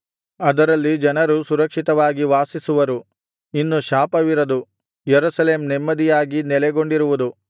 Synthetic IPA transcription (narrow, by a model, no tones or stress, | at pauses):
ɐd̪ɐɾɐlːid͡ʒɐnɐɾusuɾɐkʂit̪ɐʋaːɡiʋaːsisuʋɐɾu | inːuʃaːpɐʋiɾɐd̪u | jeɾusɐleːmnɛmːɐd̪ijaːɡinɛlɛɡo̞ɳɖiɾuʋud̪u